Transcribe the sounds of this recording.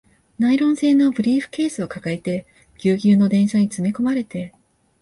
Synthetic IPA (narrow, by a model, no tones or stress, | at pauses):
naiɾõ̞ɰ̃se̞ːno̞bɯ̟ɾʲiːɸɯ̟̥ke̞ːsɨokakaet̪e̞ | ɡʲɨːɡʲɨːno̞d̪ẽ̞ɰ̃ɕaɲ̟it͡sɨmiko̞maɾe̞t̪e̞